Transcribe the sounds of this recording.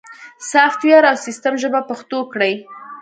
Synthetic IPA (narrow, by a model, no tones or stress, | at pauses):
saxt̪wjɑɾawsist̪amʒəbapaxt̪okɽəj